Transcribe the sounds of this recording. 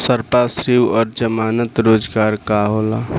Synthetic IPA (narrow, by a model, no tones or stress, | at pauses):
səɾpasɾiwɔɾd͡ʒəmanət̪ɾod͡ʒɡaɾkaɦola